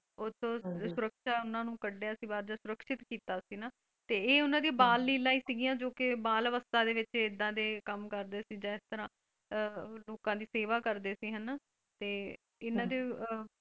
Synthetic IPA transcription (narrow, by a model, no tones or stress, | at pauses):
ʊt̪ʰːõːsʊɾəkʃaːʊnãːnũːkəɖːeasĩːbaːɾd͡ʒ̪aːsʊɾəkʃɪt̪kiːt̪aːsiːnaː | t̪eːeːʊnãːd̪iabaːlːiːlãːiːsɪɡijãːd͡ʒoːkɪbaːlʋəst̪aːd̪eːʋɪt͡ʃɪd̪ːãːd̪eːkəmkəɾd̪eːsiːd͡ʒãːɪst̪əɾãː | loːkãːd̪iːseːʋaːkəɾd̪eːsiːɦən | t̪eː | ɪnãːd̪eː